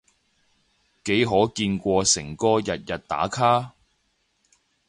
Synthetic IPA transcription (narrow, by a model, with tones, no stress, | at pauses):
ke˨˥jɦɔː˨˥kiː˧nkʷɔː˧sɪ˨˩ŋkɔː˥jɐ˨t̚jɐ˨t̚t̪a̰ː˨˥kʰaː˥